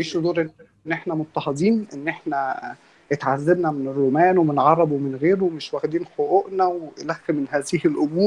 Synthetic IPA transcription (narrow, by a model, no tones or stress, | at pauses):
iːʃd̪uːɾʔen | nːʔeħnæmot̪ːɑhɑd̪ˤiːnʔenːʔeħnæ | et̪ʕazːebnæmenerːomæːnwemenʕɑɾˤːɑbowmenɣeːɾowemeʃwæxd̪iːnxoʔoʔnæwlæxːemenɦæːzihelʔomuːɾ